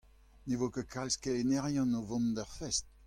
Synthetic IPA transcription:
nevokəkʰalskelenɛʁjɑ̃novɔ̃ndœʁfɛst̚

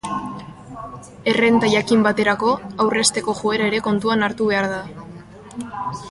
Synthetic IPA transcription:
e̞re̞nt̪ajakimbat̪e̞ɾako̞awre̞st̪e̞ko̞ʝue̞ɾaeɾe̞ko̞nt̪uanaɾt̪uβ̞e̞aɾða

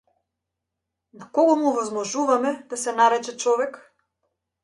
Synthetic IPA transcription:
nakɔɡɔmuɔvɔzmɔʒuvamɛd̪asɛnaɾɛt͡ʃɛt͡ʃɔvɛk

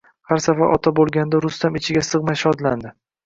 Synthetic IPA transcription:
haɾsafaɾʔɒt̪ʰabolˠɡʲand̪aɾʊst̪amɪt͡ʃʰɪɡʲasɨʁmajʃɒd̪land̪ɪ

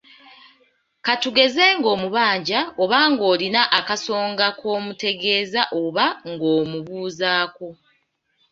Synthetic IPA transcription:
katuɡe̞ze̞ŋɡo̞ːmuβaːɲɟao̞βaŋɡo̞ːlinaʔakaso̞ːŋɡakʰo̞ːmute̞ɡe̞ːzaʔo̞βaŋɡo̞ːmuβuːzaːko

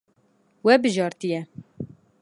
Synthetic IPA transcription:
wɛbɨʒɑːɾt̪ijɛ

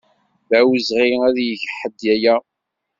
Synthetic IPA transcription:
ðæwəzʁiæðjəʝħəd̪jæjæ

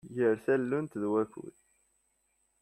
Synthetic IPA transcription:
jəɾθælːunt̪ðwækṵð

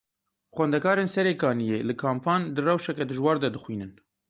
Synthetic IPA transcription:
xʷwɛnd̪ɛkɑːɾeːnsɛɾeːkɑːnijeːlɨkʰaːmpʰɑːnd̪ɨrɛwʃɛkɛd̪ɨʒwɑːɾd̪ɛd̪ɨxwiːnɨn

